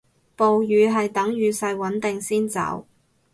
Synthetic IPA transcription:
po˨wjyː˨˧ɦɐ˨jt̪ɐ˨˥ŋjyː˨sɐ˧jwɐ˨˥nt̪ɪ˨ŋsiː˥nt͡sɐ̰˨˥w

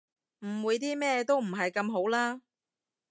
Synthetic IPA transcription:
m̩˨˩wuː˨˧jt̪̬iː˥mɛː˥t̪o˥wm̩˨˩ɦɐ˨jkɐ˧mɦo˨˥wlaː˥

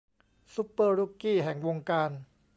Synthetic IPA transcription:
su˦˥pːɤː˧ɾu˦˥˩kiː˥˩ɦɛ˨˩˦ŋwo˧ŋkaː˧n

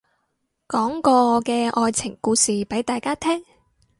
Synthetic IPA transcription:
kɔː˨˥ŋkɔː˧kɛː˧ʔɔː˧jt͡sʰɪ˨˩ŋkuː˧siː˨pe˨˥jt̪aː˨jkaː˥t̪ʰɛː˥ŋ

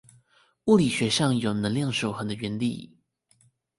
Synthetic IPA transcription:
u˥˩li˨˩ɕɥɛ˧˥ʂɑ˥˩ŋjo˨˩ʊ˧nə˧˦ŋljɑ˥˩ŋʂo˨˩ʊxɤ˧˥ŋd̪ə˧ɥɛ˧˥nlḭ˨˩˦

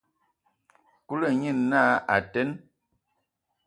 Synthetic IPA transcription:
ku˦lə˦˨ɲi˦˨nːa˦a˨tɛ˦n

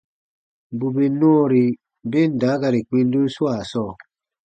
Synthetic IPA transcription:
bu˨be˨nɔ˦˨ɾi˨ | be˦˨n̩˨da˨˦ɡa˨ɾi˨k͡pĩ˦n˦du˦swa˨sɔː˦˨

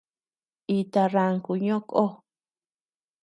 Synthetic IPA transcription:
i˧t̪a˧ra˧ŋku˨ɲõ˦kʼo˦

